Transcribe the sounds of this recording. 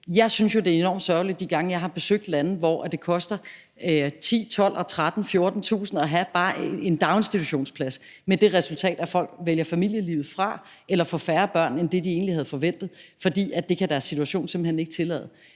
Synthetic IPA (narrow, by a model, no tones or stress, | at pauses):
jɑ̈ɪsynsjo̝d̥e̝ɐe̝nɒ̰m̥sɶɐlid̥̚ːiɡ̥ɑ̈ŋəjɑ̈ɪɦɑ̈b̥e̝søɡ̥̚d̥læn̩ʋɒ̰æd̥e̝kʰɒ̽sd̥ɐ | t͡sʰḭːt͡sʰɒ̽l̰ʔɒt͡sʰʁad̥n̩fjo̝ɐd̥n̩t͡sʰṵːsn̩ɒɦæb̥ɑ̈ːe̝nd̥ɑ̈ʊnsd̥it͡sʰuɕo̝̰ːnspʰlæs | med̥e̝ʁɛsult͡sʰɛ̰ːd̥æfɒ̽l̰ɡ̥ʋeljɐfæmil̰jəlḭːʊð̩ˠfʁɑ̈ | elɐfɒ̽fæːɐb̥ɶɐ̰nend̥e̝d̥ie̝ːnlihæð̞̩ˠfɒ̽ʋen̰d̥ð̩ˠfɒ̽d̥ḭːæd̥e̝kʰæd̥æɐsːit͡sʰuæɕo̝̰ːnsemb̥̩heneɡ̥t͡sʰe̝lɛ̰ːð̞̩ˠ